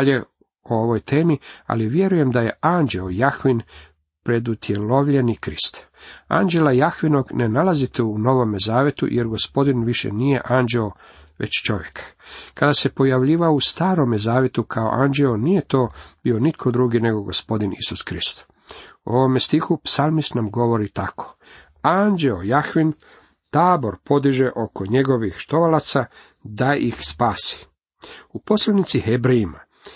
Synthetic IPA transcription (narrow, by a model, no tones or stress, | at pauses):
ʎe | ooʋo̞jt̪ʰeːmia̰liʋje̞ɾuje̞md̪aje̞and͡ʑeojaxʋin | pɾe̞d̪ut̪ʰje̞lo̞ʋʎe̞nikɾist̪ | a̰nd͡ʒe̞lajaxʋino̞ɡnenalazit̪euno̞ʋo̞mezaːʋjet̪ṵjeɾɡo̞spo̞d̪inʋiʃḛnije̞ʔand͡ʒeo | ʋḛt͡ɕt͡ʃo̞ʋjekkad̪ase̞po̞jaʋʎiːʋaust̪aːɾo̞mezaːʋje̞t̪ukʰao̞̰ʔand͡ʒeonije̞t̪o̞ːb̥io̞nit̪kʰo̞d̪ɾuːɡine̞ɡo̞ɡospo̞d̪inisuskɾist̪ | uo̞ʋo̞mest̪ixupsalˠmist̪namɡo̞ʋo̞ɾit̪ako̥ | and͡ʒeojaxʋin | t̪aːbo̞ɾpo̞d̪iʒeʔo̞ko̞ɲe̞ɡo̞ʋixʃt̪o̞ʋalat̪sa | d̪aʔixspaːsi̥ | upo̞slanit̪sihebɾeima